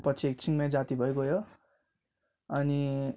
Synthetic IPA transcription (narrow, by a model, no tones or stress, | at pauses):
pʌt͡sʰiek̚t͡sʰiŋmãd͡zat̪ibʱʌekojo | ʌni